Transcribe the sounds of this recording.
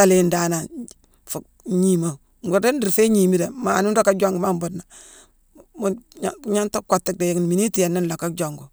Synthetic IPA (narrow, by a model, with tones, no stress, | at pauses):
a˦le˨nda˨na˨ | fu˨ | ɲi˨ma˨ | ŋɡu˨ɾde˦ndi˨ɾfe˦ɲi˨mi˦de˨ma˨nu˦ndo˦kːa˦d͡ʒo˦ŋɡu˦ma˦mbo˨dna˨ | m˦ɲa˦nto˦ko˨tːi˦˨k̚de˨ji˨ŋ˨n˨mi˨ni˦ti˦je˨nːi˦n˨lo˨kːa˦d͡ʒo˨ŋɡu˨